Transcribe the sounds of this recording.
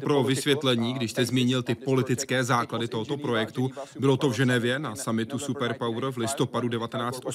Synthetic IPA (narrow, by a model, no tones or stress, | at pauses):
pɾo̞vɪsvjɛt̪lɛɲiːɡdɪʃst̪ɛzmiːɲɪlt̪ɪpo̞lɪt̪ɪt͡skɛːzaːkladɪt̪o̞ɦot̪o̞pɾo̞jɛkt̪ubɪlo̞t̪ovʒɛnɛvjɛnasamɪt̪usupɛɾpawɾvlɪst̪o̞padudɛvat̪ɛnaːt͡sɛ̥t̪ʔos